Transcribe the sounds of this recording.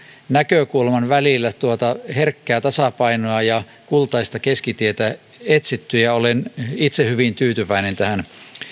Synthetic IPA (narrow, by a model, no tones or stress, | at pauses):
nækøkulmɑnʋælilːæt̪uot̪ɑherkːæːt̪ɑsɑpɑinoɑjɑ | kult̪ɑist̪ɑkeskit̪iet̪æet̪sit̪ːyjɑolenit̪sehyʋint̪yːt̪yʋæinent̪æhæn